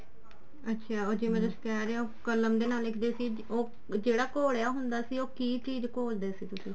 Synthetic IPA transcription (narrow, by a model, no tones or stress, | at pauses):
ətːʃʰaːoːd͡ʒɪmẽːt̪ʊsi̥ːkɛːɾeːãːoːkələmd̪eːnaːlːɪkʰd̪eːsiː | oː | d͡ʒeːɽaːkoːɽeaːɦʊnd̪aːsiːoːkiːt͡ʃiːd͡ʒkoːld̪eːsiːt̪ʊsĩː